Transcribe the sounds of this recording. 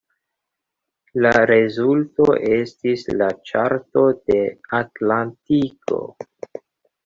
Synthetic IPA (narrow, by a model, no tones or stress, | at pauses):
laɾe̞zulto̞ʔe̞stislat͡ʃa̰ɾto̞de̞atlantiko̞̰